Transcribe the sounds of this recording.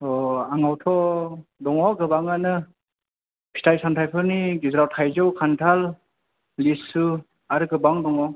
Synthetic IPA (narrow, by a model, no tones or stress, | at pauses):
ɔaŋawtʰɔdɔŋɔɡɯbaŋanɯ | pʰi̥tʰajsantʰajpʰɯɾniɡizɾawtʰajzɯwkʰantʰalː | isːu | aɾɯɡɯbaŋdɔŋɔ